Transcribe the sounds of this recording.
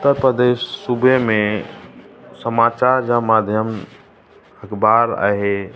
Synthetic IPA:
ʊtt̪ːəɾpɾəd̪eːʃːubemẽ | səmaːt͡ʃaːɾd͡ʒamaːd̪ʱjəm | əkbaːɾa̰ɦe

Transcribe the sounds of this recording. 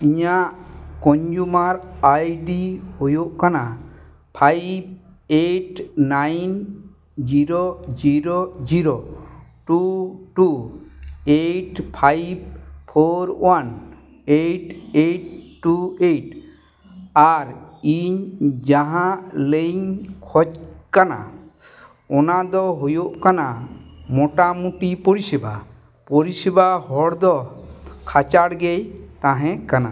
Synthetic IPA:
iɲaʔkɔɲd͡ʒumaɾajɖihojuʔkana | pʰajb̚ | eʈnajn | d͡ʒiɾod͡ʒiɾod͡ʒiɾoʈuʈu | eʈpʰajb̚pʰoɾwan | eʈeʈːueʈ | aɾiɲd͡ʒaɦãleɲkʰɔt͡ʃkana̰ | ɔnad̪ɔɦujoʔkanamɔʈamuʈipoɾisiba | poɾisibahɔɽd̪ɔkʰat͡ʃaɽɡejt̪ãɦɛ̃kana̰

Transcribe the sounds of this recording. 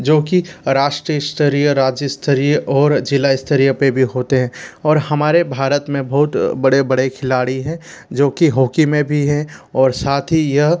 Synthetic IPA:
d͡ʒoːkiɾaːʃʈɾiɪst̪ʰəɾijəɾaːd͡ʒəst̪ʰəɾijəɔːɾd͡ʒɪlaɪst̪ʰəɾijəpebʱiɦoːt̪eɦɛ̃ːɔːɾhɐmaːɾebʱaːɾət̪mẽbɐɦʊt̪bɐɽebɐɽekʰɪlaːɽiɦɛ̃d͡ʒoːkiɦoːkimẽbʱiɦɛ̃ɔːɾsaːt̪ʰɦijɐɦ

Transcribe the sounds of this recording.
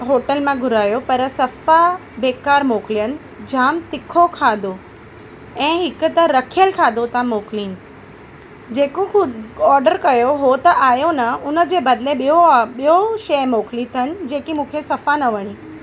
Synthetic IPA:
ɦoːʈəlmãɡʱʊɾaːjopɐɾsɐfabeːkaːɾmoːklijənɪ̆ | d͡ʑaːmt̪ɪkʰokʰaːd̪ʱo | ɛ̃ːɦɪkʊ̆t̪ɐɾɐkʰijəlkʰaːd̪ʱot̪ʰamoːkliːnɪ̆ | d͡ʑeːkoxʊɔːɾɖəɾkɐjoɦot̪ɐʔaːjonɐʊnə̆d͡ʑeːbɐd̪ɪleɓijoɓijoʃɐjmoːklit̪ʰɐnɪ̆d͡ʑeːkimũːkʰesɐfanɐʋɐɽ̃iː

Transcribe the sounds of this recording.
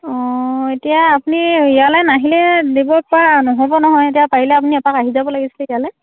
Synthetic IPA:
ɔetijaːpuniijalɛnaɦilɛdebɔpanɔɦobɔnɔɦɔjetijapaɹilɛap̬uniɛpakaɦizabɔlaɡisi̥lɛijalɛ

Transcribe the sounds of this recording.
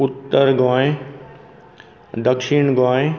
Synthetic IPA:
ʊt̪ːəɾɡãːe | d̪ɐkʃinɡãːẽ

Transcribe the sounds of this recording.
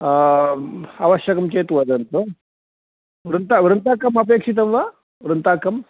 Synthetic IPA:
ɐʋɐɕjɐkɐmt͡ɕeːt̪ʋɐd̪ɐnt̪o | ʋɾɐnt̪aʋɾənt̪akɐmɐp̬eːkʂit̪ɐmʋa | ʋɾənt̪akːɐm

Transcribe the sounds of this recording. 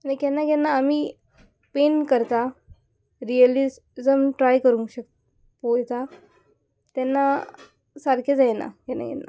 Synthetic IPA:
anikɛnːakɡɛnːaːmi | penkəɾt̪a | ɾijəli | zəmʈɾajkəɾũŋɕək | pojt̪a | t̪ɛnːa | saɾkʰed͡zajna̰kɛnːa̰ɡɛ̰nːa̰

